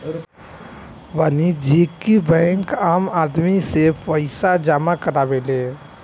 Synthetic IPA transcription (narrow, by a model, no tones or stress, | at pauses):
ʋənid͡ʒʱikːibɛ̃ŋkamad̪misepʰpəɪsad͡ʒamakəɾabele